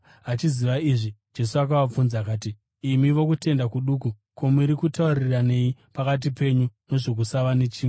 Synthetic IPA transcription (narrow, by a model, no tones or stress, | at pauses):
at͡ʃiziʋaiʐid͡ʒe̞suak̬aʋap͡funzakaːt̬iː | miʋo̞kute̞ndakuɗuku | ko̞muɾikutaurirane̞jipakat̬ipe̞ɲuno̞ʐok̬usaʋane̞t͡ʃiːme